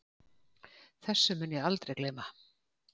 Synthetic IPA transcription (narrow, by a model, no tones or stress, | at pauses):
θɛsːʏmʏnjɛɣalt̪ɾejkleːjma